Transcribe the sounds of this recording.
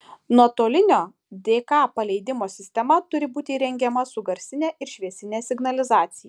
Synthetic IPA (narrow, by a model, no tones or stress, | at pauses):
nuɔt̪oːlʲɪnʲoː | d̪ʲeːkɑːpɐlʲɛɪd̪ʲɪmoːsʲɪsʲt̪ʲɛmɐt̪ʊɾʲɪbuːt̪ʲɪɾʲɛŋʲɡʲɛmɐsʊɡɐɾʲsʲɪnʲeːʔɪɾʃʲʋʲiɛsʲɪnʲeːsʲɪɡnɐlʲɪzɑːt̪sʲɪjɛ